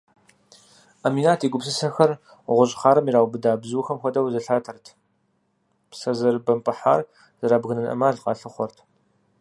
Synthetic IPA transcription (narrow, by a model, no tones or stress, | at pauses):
amiːnaːtʰiːɡʷʊpsɨsɐxɐr | ʁʷʊɕʼɪχaːɾɐmiɾaːwʷbɨdaːbzuːxɐmxʷɔdɐwzɐɬaːtʰɐrtʰ | psɐzɐrbɐmpʼɨħa̰ːr | zɨɾaːbɣɨnɨnʔɐ̰maːɮqɑ̰ːɬɨχʷɔrtʰ